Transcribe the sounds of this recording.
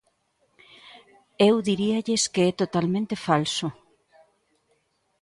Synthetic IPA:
ewðiɾiaʎeskeɛt̪ot̪almẽnt̪efalso

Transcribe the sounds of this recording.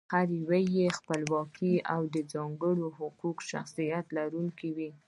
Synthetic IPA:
haɾiwajexpəlwɑkiawd̪əd͡zɑŋɡəɽohʊqukʃa̰xsijat̪laɾuŋkiwi

